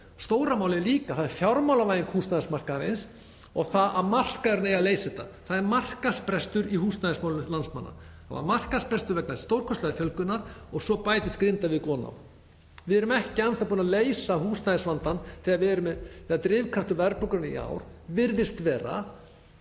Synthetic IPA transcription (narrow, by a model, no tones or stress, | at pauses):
st̪owɾamaːwlɪliːkaθaðɛɾfjawɾmawlavajiŋkhuːsnaðɪsmar̥kaɾḛjns | ɔɣθaða̰ðmar̥kaðɾnejaleːjsɛt̪aθaðɛɾmar̥kaspɾɛst̪ʏɾiɦuːstnaðɪsmawlʏnlansma̰nːa̰θa̰va̰ɾmar̥kaspɾɛst̪ʏɾvɛk̚naɾi̥st̪owɾ̥kʰɔst̪lɛðafjœlkʏnːaɾɔɣsɔpaːjt̪ɪskɾɪnt̪avɪðkɔːna̰w | vɪðɛɾʏmɛhcɪanθapuːnaleːjsahuːsnaðɪsvant̪anθɪðavɪɛɾʏmɛθɪðat̪ɾɪːvkʰɾaft̪ʏvɛɾpɔkʏɾnaḭa̰wɾ̥vɪɾðɪst̪vɛːɾa̰